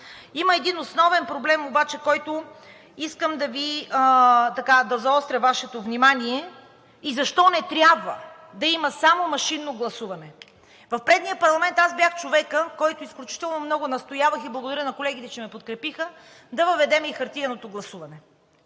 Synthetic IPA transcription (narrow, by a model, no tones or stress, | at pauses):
iməɛd̪inosnɔvɛnpɾoblɛmobat͡ʃɛkɔjt̪ʊ | iskəmd̪ɐvi | t̪ɐkad̪ɐzɐɔst̪ɾʲɐvaʃɛt̪ovnimaniɛ | izɐʃt̪ɔnɛt̪ɾʲabvə | d̪ɐimɐsamomɐʃinːoɡlˠɐsuvɐnɛ | vɐfpɾɛd̪niəpɐɾlˠɐmɛnt̪azbjʲaxt͡ʃovɛkəkɔjt̪ʊisklʲut͡ʃi̥t̪ɛlˠnomnɔɡʊnɐst̪ojavəxiblˠɐɡod̪ɐɾinɐkolɛɡ̟it̪ɛt͡ʃɛmɛpot̪kɾɛpixə | d̪ɐvəvɛd̪ɛmixɐɾt̪iɐnot̪oɡlˠɐsuvɐnɛ